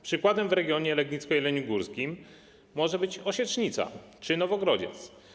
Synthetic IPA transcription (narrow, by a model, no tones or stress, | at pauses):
pʂɘkwad̪ɛmvɾɛɡʲjɔɲɛlɛɡɲit̪skɔjilɛɲuɡuɾskʲimː | ɔʐɛbɘt͡ɕɔɕɛtt͡ʂɲit̪sa̰ | t͡ʂɘnɔvɔɡɾɔd͡ʑɛ̰t̪s